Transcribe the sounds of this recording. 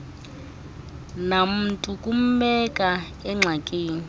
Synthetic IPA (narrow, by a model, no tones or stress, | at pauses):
nam̩tʼukʼum̩ɓɛkʼa | ɛŋ͡ǁʱakʼeːni